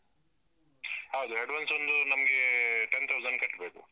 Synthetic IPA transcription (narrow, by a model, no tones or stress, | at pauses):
ɦɐwd̪uɦeɖʋansond̪unɐmɐɡeʈent̪ʰɐwzɐnkɐʈːbeːkṵ